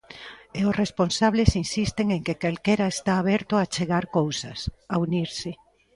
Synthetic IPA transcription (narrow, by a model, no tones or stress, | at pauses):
eʊsresponsaβ̞lesinsist̪eŋeŋkekalkeɾaest̪aːβɛɾt̪oat͡ʃeɣaɾkowsasauniɾsɪ